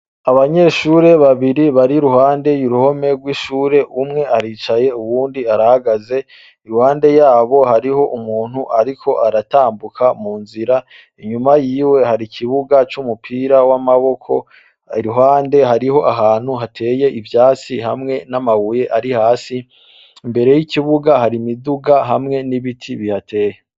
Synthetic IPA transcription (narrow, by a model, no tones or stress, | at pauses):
aβaɲe̞ʃuːɾe̞βaβiɾiβaɾiɾuhaːnde̞juɾuho̞me̞ɾɡwiʃuːɾe̞ʔumŋe̞ʔaɾiːt͡ʃaje̞uβuːndiaɾahaɡaze̞ | iɾuhaːnde̞jaːβo̞haɾiho̞ʔumuːn̥huʔaɾikʰo̞ʔaɾataːmbukʰamuːnziɾa | iɲumajiːwe̞haɾikʰiβuɡat͡ʃumupʰiːɾawamaβo̞kʰo̞ | ɾiɦaːnde̞ɦaɾiɦo̞ʔaɦaːn̥huɦatʰe̞ːje̞ʔivjaːt͡siɦa̰mŋe̞namaβuje̞ʔaɾihaːsi | mbe̞ɾe̞jiciβuɡaɦaɾimiduɡaɦamŋe̞niβitʰiβihatʰe̞ːje